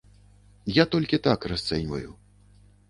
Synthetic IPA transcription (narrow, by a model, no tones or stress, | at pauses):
jat̪ɔlʲkʲit̪akrast̪sɛnʲvɐ̰ju